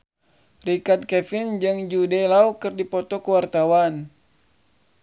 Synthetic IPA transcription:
rikat̪̚kɛfind͡ʒɨŋd͡ʒudɛlaukɨrdipɔt̪ɔkəwart̪awan

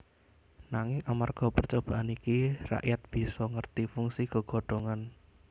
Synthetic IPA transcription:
naŋɪŋamarɡ̥ɔ̤pərt͡ʃob̥a̤ʔanikira̰ʔjat̪̚b̥i̤sɔŋərt̪ifuŋsiɡ̥ɔ̤ɡ̥ɔ̤ɖ̥o̤ŋan

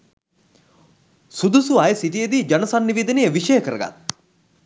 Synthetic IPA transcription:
sud̪usuajəsiʈijed̪iːd͡ʒanɐsanːiʋed̪ənejəʋiʂəjəkəɾəɡa̰t̪ːu̥

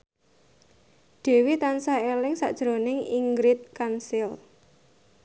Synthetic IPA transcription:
ɖ̥e̤wit̪ansaelɪŋsa̰ʔd̥ʒ̥ɾonɪŋiŋɡɾɪt̪̚kansɪl

